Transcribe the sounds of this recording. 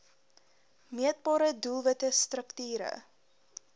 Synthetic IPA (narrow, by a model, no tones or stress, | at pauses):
miət̚bɑːɾədulˠvətəstrəktyːɾə̰